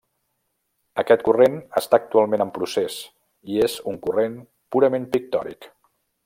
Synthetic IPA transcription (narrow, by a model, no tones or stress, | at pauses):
əkɛt̪̚kurenəst̪aːk̚t̪ualˠmenəmpɾuses | iezuŋkuren | puɾəmempik̚t̪ɔ̰ɾḭk